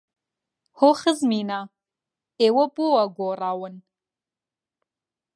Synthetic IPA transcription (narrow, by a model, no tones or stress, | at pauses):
hoχəzmina | ewapʼuwaɡʷoraːwan